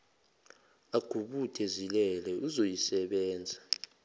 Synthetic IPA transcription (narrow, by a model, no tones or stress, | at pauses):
aɡ̥ʱuɓutʰezilɛlɛuzojisɛɓɛːnd͡zʱa